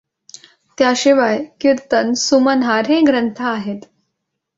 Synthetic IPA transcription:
t̪jaɕiʋajkuɾt̪ənsumənɦaɾɦẽɡɾənt̪ʰaːɦet̪

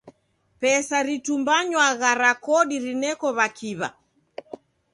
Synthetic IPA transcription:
pɛsaɾitumbaɲwaɣaɾakɔɗiɾinɛkɔβakʰiβa̰

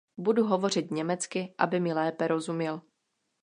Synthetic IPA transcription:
buduɦovo̞r̝ɪt̪ɲɛmɛt͡skɪʔa̰bɪmɪlɛːpɛɾo̞zumjɛl

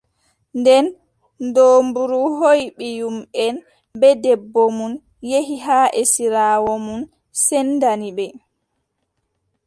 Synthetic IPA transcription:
ndɛn | doːmbuɾuɦojɓijumɛn | bɛdɛbːɔmun | jeɦiɦaːʔɛsiɾaːwɔmun | sɛndanibɛ

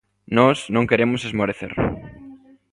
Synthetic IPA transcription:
nɔsnõŋkeɾemʊsezmoɾeθḛɾ

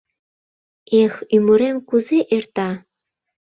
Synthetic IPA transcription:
exyməɾemkuzeʔert̪ɑ

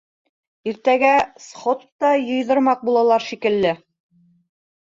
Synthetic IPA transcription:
iɾt̪æɡæsχot̪t̪ːɑjɤ̆jðɤ̆ɾmɑq̚bulˠɑlˠɑɾʃikɘ̆lːɘ

